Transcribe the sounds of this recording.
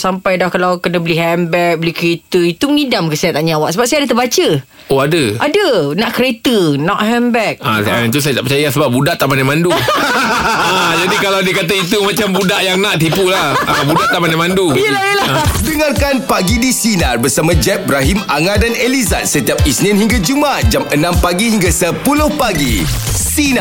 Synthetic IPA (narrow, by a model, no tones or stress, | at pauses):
sampajdahkalawkənãbəliɦɛmbɛk̚bəlikəɾet̪əit̪uməŋidamkəsiaʔnaʔɲawaʔsəbap̚sajadat̪əbat͡ʃə | oadəʔadənãʔkɾet̪ənɔʔhɛmbɛk̚a̰saat̪us̬ajat̪aʔpət͡ʃajasəbap̚budaʔt̪aʔmanamandu | ad͡ʒadikalawdiəkat̪̬ait̪umãt͡ʃambudaʔjaŋnãʔt̪ipulahabudaʔt̪aʔmanamãnduijəlajəladəŋarkanpaɡidisinarbərsamãd͡ʒɛp̚bɾaɦimaŋadaneliza̰t̪̚sət̪iap̚isnĩnhiŋɡad͡ʒumat̪̚d͡ʒamənãmpaɡiɦiŋɡasəpulʊhpaɡḭsina